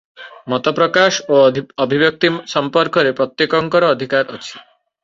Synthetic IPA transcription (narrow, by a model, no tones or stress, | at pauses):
mɔt̪ɔpɾɔkaʃoɔbʱibjɔk̚t̪isɔmpɔɾkɔɾepɾɔt̪jekɔŋkɔɾɔːd̪ʱikaɾʔɔ̰t͡ʃʰi̥